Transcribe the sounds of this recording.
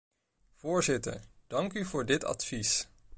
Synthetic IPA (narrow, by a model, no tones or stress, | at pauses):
v̥ʊːɹzɪtə̰ɹd̥ɑŋkyvʊːɹdɪtɑ̰tfis